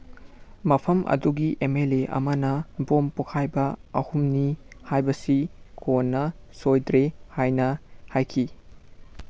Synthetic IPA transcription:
mɐpʰɐmʔɐ̰duɡiʔemeleʔɐ̰mɐnɐbompukʰajbɐɐhumnihajbɐsikʰonːɐ | sojdɾehajnɐhajkʰi

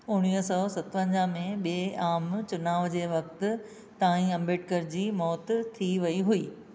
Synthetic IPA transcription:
ʊɽ̃iːɦsɔsɐt̪ʋə̃ɲd͡ʑamẽɓeːaːmt͡ɕʊnaːʋd͡ʑeːʋɐkt̪ɪ̆ | t̪aːĩɐ̃mbeːʈkəɾd͡ʑiːmɔːt̪t̪ʰiʋɐiɦuiː

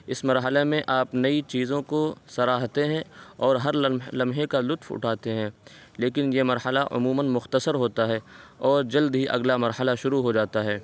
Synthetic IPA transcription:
ɪsmɐɾɦəlemẽʔaːpnɐit͡ʃiːzõkosɐɾaːɦt̪eɦɛ̃ɔːɾɦɐɾlɐ̃mɦẽkalʊt̪fʊ̰ʈʰaːt̪eɦɛ̃ː | leːkɪnjemɐɾhəlaʔʊ̰muːmənmʊxt̪əsəɾɦoːt̪aɦɛːɔːɾd͡ʒɐld̪ɦiʔɐ̰ɡlamɐɾhəlaʃʊɾuɦod͡ʒaːt̪aɦɛː

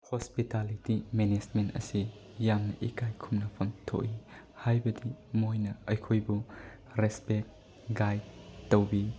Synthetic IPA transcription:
hospitalitimenesmentɐ̰si | jamnɐʔikajkʰumnɐpʰɐntʰo̰ʔi | hajbɐdimojnɐɐjkʰojbu | ɾespek̚ | ɡajd̚ːowbi

